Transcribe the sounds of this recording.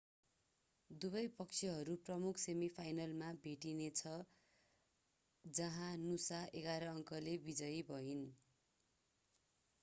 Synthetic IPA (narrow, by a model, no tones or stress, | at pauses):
d̪ubʌjpʌk̚t͡sʰʌɦʌɾuprʌmukʰsemipʰajnʌlmabʱeʈinet͡sʰʌ | d͡zʌɦãnusaʔeɡaɾʌːŋkʌlebid͡zʌjbʱʌɦin